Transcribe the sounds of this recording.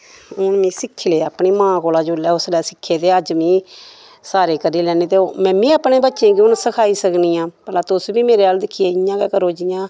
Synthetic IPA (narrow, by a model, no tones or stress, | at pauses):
ʊnmĩːsɪkʰːileːaːpniːmãːkoːlaːd͡ʒʊːlɛːʊslɛːsɪkʰːeːt̪eːəd͡ʒmĩː | saːɾeːkəɾiːlɛːneːt̪eːomɛ̃ːbĩːaːpneːbətːʃẽːkiʊnsəkʰaːiːsəkniːjãːpəlaːt̪ʊsbiːmeːɾeaːld̪ɪkʰːieːɪjãːkɛːkəɾoːd͡ʒɪjãː